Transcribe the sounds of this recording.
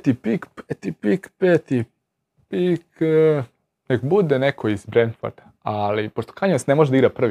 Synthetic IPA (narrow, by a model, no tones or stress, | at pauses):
t̪ipikpet̪ipikpet̪i | pik | nekbud̪enekʰoizbɾend̪fo̰ɾd̪̥a | alipoʃt̪o̥kaɲosnemoʒed̪iɡɾapr̩ʋi